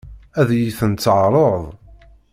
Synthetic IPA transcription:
æðjiθənt̪t͡sːʕɾˤəðˤ

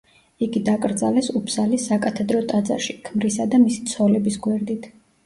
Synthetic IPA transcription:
iɡid̪akʼɾd̪zalɛsupʰzalisːakʼat̪ʰɛd̪ɾɔt̪ʼad̪za̰ʃikʰmɾisad̪amisi̥t̪sʰɔlɛbisɡwɛɾd̪it̪ʰ

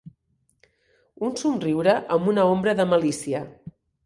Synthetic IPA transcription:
unsumriwɾəʔəmbunəombɾəðəməlisiə

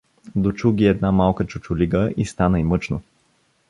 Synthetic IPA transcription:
d̪ot͡ʃuɡʲiɛd̪namalˠkət͡ʃʊt͡ʃʊliɡəʔist̪anəimɤt͡ʃno

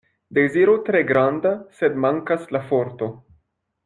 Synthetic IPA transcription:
d̪e̞ziɾut̪ɾe̞ɡɾand̪ase̞d̪maŋkaslafo̞ɾt̪o̞

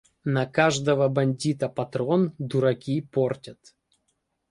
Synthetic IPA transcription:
nɐkaʐd̪əvəbɐnʲdʲit̪əpɐt̪ɾond̪ʊɾɐkʲiportʲət̪

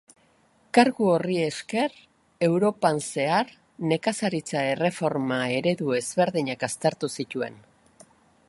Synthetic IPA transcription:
kaɾɣuorie̞ske̞r | e̞wɾo̞panse̞ar | ne̞kasaɾit͡sae̞re̞fo̞ɾmae̞ɾe̞ðue̞zβe̞ɾðiɲakast̪eɾt̪usit̪ue̞̰n

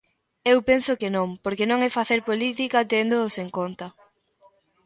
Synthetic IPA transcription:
ewpensʊkenõŋpoɾkenõŋɛfaθeɾpolit̪ikɐt̪end̪oːseŋkont̪ɐ

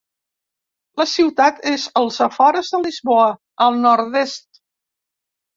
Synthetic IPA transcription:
ləsiwt̪at̪ezəlˠzəfɔɾəzðəlizβoə | əlˠnɔɾd̪est̪̚

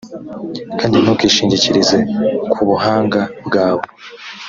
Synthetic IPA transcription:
kaːndin̥ukiːʃiːɲɟiciɾize̞kʰuβuɦaːŋɡabɡaːwo

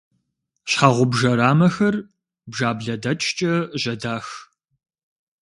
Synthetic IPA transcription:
ɕħaːʁʷʊbʒɐɾaːmɐxɐr | bʒaːbɮɐdɐt͡ʃʼt͡ʃʼɐʒɐdaːx

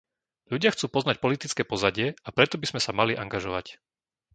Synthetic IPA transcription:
ʎuɟɪaxt͡suːpɔznac̚pɔlit̪it͡skɛːpɔzaɟɪɛapɾɛt̪ɔbizmɛsamaliʔaŋɡaʒɔʋa̰c

